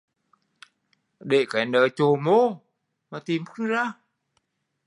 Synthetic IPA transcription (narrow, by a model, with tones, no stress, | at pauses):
ɗe˧˩kaː˨˦jnəː˨˦jt͡ɕo˨˩˦mo˧ | maː˨˩t̪i˨˩mfɨ˦˥nzaː˧˩